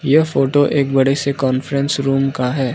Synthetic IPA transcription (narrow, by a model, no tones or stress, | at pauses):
jefoːʈoʔeːk̚bɐɽesekɔːnfəɾɛ̃nsɾuːmkaɦɛː